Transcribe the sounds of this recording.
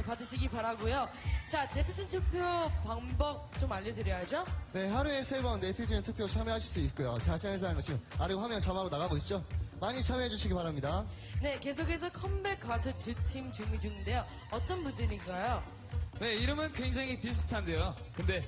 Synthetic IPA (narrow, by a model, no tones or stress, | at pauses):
padɯɕʰiɡipaɾaɡojo | t͡ɕane̞tʰɯ̥sʰintʰuk̚pʰjopaŋbʌk̚t͡ɕ͈omaʎːʌdɯɾjʌɦad͡ʑone̞ɦaɾue̞sʰe̞bʌnːetʰɯt͡ɕʰiɯntʰɯk̚pʰjot͡ɕʰamjeɦaɕʰiɭs͈uit̚k͈ojot͡ɕaɕʰiaesʰanɡʌt͡ɕʰiɡɯmaɾiɡoɦamjʌnt͡ɕamaɾonaɣaɡoit̚t͡ɕ͈omaɲit͡ɕʰameɦed͡ʑuɕʰiɡipaɾamɲida | ne̞ke̞s̬ʰokʰe̞sʰʌkʰʌmbe̞k͈asʰɯt͡ɕutʰimt͡ɕumid͡ʑuŋinde̞jo | ʌt͈ʌnbundɯɾinɡajo | ne̞iɾɯmɯnkweŋd͡ʑaŋipis̬ʰu̥tʰande̞jo | kɯnde̞